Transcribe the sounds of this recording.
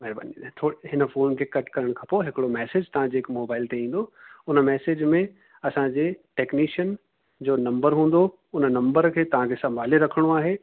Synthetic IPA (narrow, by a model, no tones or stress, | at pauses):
mɛːɾba̰ːnit̪ʰoːɽiɦɪnə̆foːnkʰekɐʈkɐɾəɽ̃kʰãːpoːɦɪkɪɽomɛːseːd͡ʑt̪ɐʋ̤ãd͡ʑeːkmoːbaːɪlt̪eĩːn̆d̪oʊnə̆mɛːseːd͡ʑmẽ | ɐsãd͡ʑeːʈeːkniːʃən | d͡ʑoːnɐ̃mbəɾɦũːn̆d̪o | ʊnnɐ̃mbəɾkʰeːt̪ɐʋ̤ãkʰesɐ̃mbʱaːleɾɐkʰəɽ̃oaːɦeː